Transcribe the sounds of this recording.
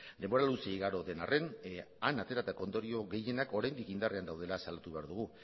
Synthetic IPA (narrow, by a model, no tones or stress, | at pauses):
d̪e̞mbo̞ɾalusieiɣaɾo̞ðe̞narʔe̞nanat̪e̞ɾat̪ako̞nd̪o̞ɾio̞ɣe̞je̞nako̞ɾajnd̪ikind̪are̞and̪awðe̞lasalat̪uβe̞aɾðuɣ̞u